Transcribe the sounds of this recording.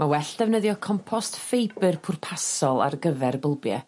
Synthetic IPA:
mawɛɬd̥ɛvnəðjɔkʰɔmpʰɔstfejbɨrpʰʊrpʰasɔlˠa̰rɡəvɛrbəlˠbjɛ̰

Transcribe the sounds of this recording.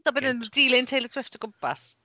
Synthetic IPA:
dɔbɛnəndiːlˠɪntʰejlˠəsʰwɪftəɡʊmpʰa̰s

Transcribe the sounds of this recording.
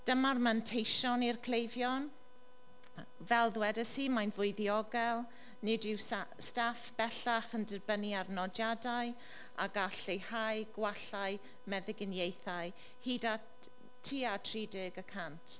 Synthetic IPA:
d̥əmarmantʰejʃɔnirkʰl̥ejvjɔn | vɛlˠðwɛdəsiːmajnvʊɨðiɔɡɛlˠ | nɪdɪwsstafb̥ɛɬaχəndɪrbəniarnɔdjadaɨ | a̰ɡaɬejhajɡ̥waɬaj | mɛðɪɡɪnjejθaɨ | hiːda | tʰiːatʰriːdɪɡəkʰantʰ

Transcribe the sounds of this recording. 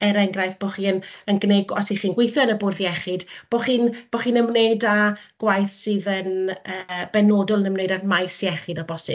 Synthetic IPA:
ɛɾɛŋɡrajθb̥oχiːənənɡneɡɔsiχiːnɡwejθjɔnəbʊrðiɛχɨd̥b̥oχiːnb̥oχiːnəmnejdaɡ̥wajθsɨðənəːb̥ɛnoːdʊlˠənəmnejdarmajsiɛχɨdɔbɔsɪ̰

